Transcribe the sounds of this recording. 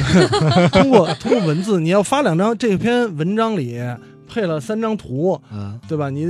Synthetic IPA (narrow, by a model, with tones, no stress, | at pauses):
t̪ʰu˥ŋkwɔ˥˩t̪ʰʊ˥ŋ˥˩wə˧˥nt͡sɹ̩˥˩ni˨˩jɑ˥˩ʊfa˥ljɑ˨˩ŋʈ͡ʂɑ˥ŋʈ͡ʂɤ˥˩pʰjɛ˥nwə˧˥nʈ͡ʂɑ˥ŋli˨˩ | pʰe˥˩ɪlə˩sa˥nʈ͡ʂɑ˥ŋt̪ʰu˧˥t̪we˥˩ɪbɐ˩ni˨˦